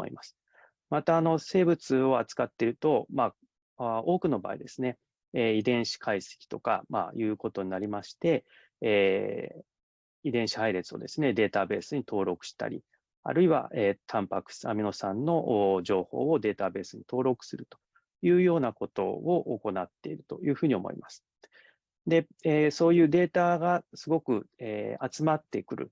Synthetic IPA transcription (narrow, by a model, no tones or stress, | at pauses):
o̰ḭmasɨ̥ | mat̪aːno̞se̞ːbɯ̟t͡sɨo̞at͡sɨ̥kat̪ːe̞ɾɯ̟t̪o̞maː | ao̞ːkɯ̟no̞ba̰ːḭd̪e̞sɨne̞ | id̪ẽ̞ɰ̃ɕi̥kʰaise̥kʲi̥t̪o̞ka̰ma̰jɯ̟ːko̞t̪o̞ɲ̟inaɾʲimaɕi̥t̪e̞ | id̪ẽ̞ɰ̃ɕi̥haiɾe̞t͡sɨo̞̰d̪e̞sɨne̞d̪e̞ːt̪abe̞ːsɨɲ̟it̪ʰo̞ːɾo̞kɯ̟̥ɕi̥t̪a̰ɾʲḭ | a̰ɾɯ̟iβa̰ʔet̪ʰãmpakɯ̟̥samʲino̞sãnːo̞ʔʑo̞ːho̞̰ːo̞d̪e̞ːt̪abe̞ːsɨɲ̟it̪o̞ːɾo̞kɯ̟̥sɨɾɯ̟t̪o̞̥ | jɯ̟ːjo̞ːnako̞t̪o̞̰oʔoko̞nat̪ːe̞iɾɯ̟t̪o̞̰jɯ̟ːɸɯ̟ːɲ̟iomo̞̰ḭmasɨ̥ | d̪e̞ | eso̞ːjɯ̟ːd̪e̞ːt̪aɡasɨɡo̞kɯ̟eːat͡sɨmat̪ːe̞kɯ̟ɾɯ̟̰